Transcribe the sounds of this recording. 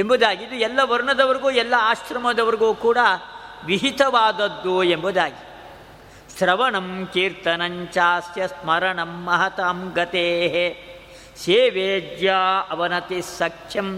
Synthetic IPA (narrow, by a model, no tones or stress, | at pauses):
embud̪aːɡiid̪uɛlːɐʋɐɾuɳɐd̪ɐʋɐɾiɡuːɛlːɐaːʃɾɐmɐd̪ɐʋɐɾiɡuːkuːɽɐʋiɦit̪ɐʋaːd̪ɐd̪ːuembud̪aːɡi | sɾɐʋɐɳɐmkiːɾt̪ɐnɐɲt͡ʃaːsjɐsmɐɾɐɳɐmːɐɦɐt̪aːmɡɐt̪eːɦe | seːʋeːd͡ʒ̪jaːɐʋɐnɐt̪isɐkʂjɐm